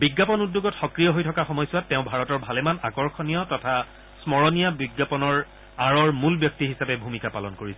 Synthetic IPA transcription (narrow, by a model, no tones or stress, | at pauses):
biɡːapɔnudːoɡɔtxɔkɹijɔɦojtʰɔkaxɔmɔjsʊwatːɛʊ̃bʱaɹɔtɔɹbʱalɛmanakɔɹxʰɔnijɔtɔtʰa | smɔɹɔnijabiɡːapɔnɔɹ | aɹɔɹmulbjɔk̚tiɦisapɛbʱumikapalɔnkoɹisɛ